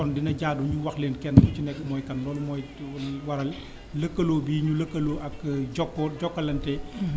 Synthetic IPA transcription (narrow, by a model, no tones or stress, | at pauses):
kɔndinɐɟaːduɲuwɐxleːnkɛnːkucinɛkːmɔːjkɐnːɔːlumɔːj | lwɐɾɐl | lɐkːɐloːbiːɲulɐkːɐloːʔɐkɟɔkːɔɟɔkːɐlɐntɛ